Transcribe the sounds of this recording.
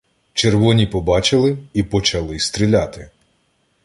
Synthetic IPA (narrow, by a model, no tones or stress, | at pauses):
t͡ʃerʋɔnʲipɔbɑt͡ʃɪlˠɪipɔt͡ʃɐlˠɪst̪ɾʲilʲat̪ɪ